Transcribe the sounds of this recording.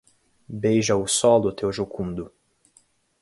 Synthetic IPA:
bejʒɐʊsɔld̪ʊt̪ewʒokʰũnd̪ʊ

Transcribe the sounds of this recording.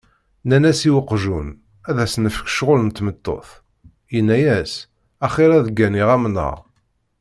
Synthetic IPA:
nænæsiwəqːʒun | æðæsnəfə̥kʃʁolənt̪ːmət̪ːo̰θ | jinːæjæs | æχɪɾæðɡːæniʁæmnə̰ʁ

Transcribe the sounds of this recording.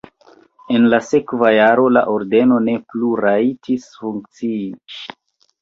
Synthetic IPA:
e̞nlase̞kvajaɾo̞la̰ʔoɾde̞no̞ne̞pluɾaitʰisfuŋk̚t͡sii

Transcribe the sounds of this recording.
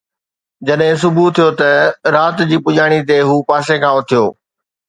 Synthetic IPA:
d͡ʑɐɗɦɪ̃s̬ʊbʱut̪ʰijot̪ɐɾaːt̪d͡ʑiːpʊʄaːɽ̃it̪̬eɦuːpaːsekʰãːʊt̪ʰijo̰ː

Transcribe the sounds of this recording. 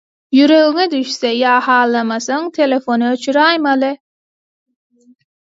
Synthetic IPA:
jyɾøɣyŋɛd̪yʃsɛjɑːhɑːlˠːamasɯŋt̪ʰelʲefonɯøt͡ʃʰyɾajmalˠɯ

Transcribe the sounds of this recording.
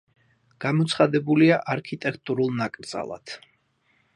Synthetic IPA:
ɡ̥amɔt̪sχad̪ɛbuliaʔaɾkʰit̪ʼɛkʰt̪ʼuɾulˠnakʼɾd̪z̥a̰lˠa̰t̪ʰ

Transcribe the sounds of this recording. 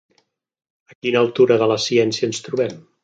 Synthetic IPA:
əkinəːlˠt̪uɾəðələsiɛnsiənst̪ɾuβɛm

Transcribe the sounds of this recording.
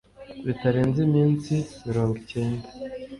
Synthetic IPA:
βitaɾeːnzimiːnsimiɾoːŋɡuce̞ːnda

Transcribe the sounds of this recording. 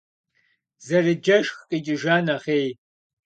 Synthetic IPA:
zɐrɨd͡ʒɐʃxqʼit͡ʃʼɪʒaːnɐχeːj

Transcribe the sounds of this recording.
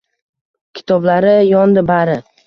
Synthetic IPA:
kʲʰɪ̥t̪ʰɒblaɾɪjɒnd̪ɪbaɾɪ

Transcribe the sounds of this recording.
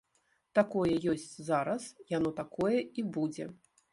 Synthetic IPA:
t̪akɔjɛjɔsʲt͡sʲzaɾɐsjanɔt̪akɔjɛibud͡zʲɛ̰

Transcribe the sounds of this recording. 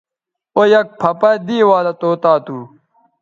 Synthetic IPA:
ojɐk̚pʰɐpɐd̪iːwaːlɐt̪oːt̪aːt̪uː

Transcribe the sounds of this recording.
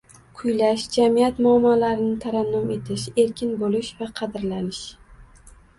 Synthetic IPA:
qʰʊjlaʃd͡ʒamijat̪mʊamːalaɾɪnɪt̪ʰaɾanːɒme̞t̪ʰɪʃe̞ɾkʲʰɪnbolɪʃvaqʰɑd̪ɪɾlanɪʃ

